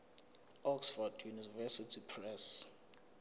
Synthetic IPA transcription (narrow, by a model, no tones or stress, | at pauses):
ɔksfɔdjunivɛsitʰipʰrɛs